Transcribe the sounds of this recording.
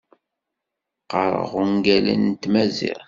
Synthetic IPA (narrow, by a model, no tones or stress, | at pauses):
qəɾˤə̰ʁuŋɡælə̰nt̪mæzḭɾ